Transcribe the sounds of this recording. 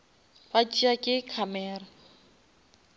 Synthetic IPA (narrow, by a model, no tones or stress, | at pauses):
fat͡ʃʼiakʼɪkʰamɛːra